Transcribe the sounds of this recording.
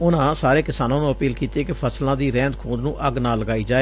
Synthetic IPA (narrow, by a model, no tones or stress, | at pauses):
ʊnãːsaːɾeːkɪsaːnãːnũːəpiːlkiːt̪ieːkɪpʰəslãːd̪iːɾɛ̃ːnd̪kʰũːd̪nũːʔəɡnaːləɡaːiːd͡ʒaːeː